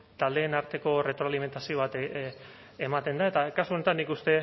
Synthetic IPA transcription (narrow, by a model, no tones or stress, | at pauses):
t̪ald̪e̞ːnaɾt̪e̞ko̞re̞t̪ɾoalime̞nt̪asio̞β̞at̪ | emat̪e̞nd̪ae̞t̪akasuo̞ne̞t̪anːikust̪e̞